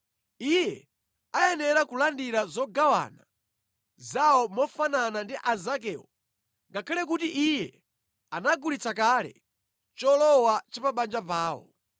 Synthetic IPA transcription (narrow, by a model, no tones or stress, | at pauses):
ijɛ | aɛnɛɾakulandiɾazɔɡawa̰na | zaɔmɔfananandiʔazak̬ɛːwɔ̰ | ŋɡakʰalɛk̬utiʔijɛ | anaɡulit͡sakalɛ̰ | t͡ʃɔlɔwat͡ʃipaɓand͡ʒapaːwɔ̰